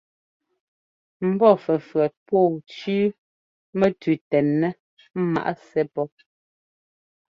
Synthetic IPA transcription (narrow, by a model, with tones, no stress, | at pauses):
m̩˦bɔ˦fɛ˨fɰɛ˨t̚pɔː˦˨t͡ʃʉː˦ | mɛ˦tʉ˨tɛ˨nːɛ˦ | ma̰˨ʔa˦sɛ˦pɔ˦